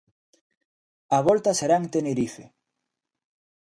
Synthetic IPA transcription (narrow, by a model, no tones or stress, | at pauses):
aβ̞ɔlt̪aseɾaŋt̪eneɾife